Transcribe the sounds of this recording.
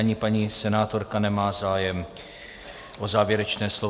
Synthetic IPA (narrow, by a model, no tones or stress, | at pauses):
aɲɪpaɲisɛnaːt̪o̞ɾkanɛmaːzaːjɛm | ʔozaːvjɛɾɛt͡ʃnɛːslo